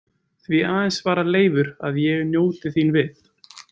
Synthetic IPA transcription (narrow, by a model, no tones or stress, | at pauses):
θviaːðɛnsvaːɾaleːjvʏɾa̰ðjɛɣnjoːwt̪ɪθinvɪθ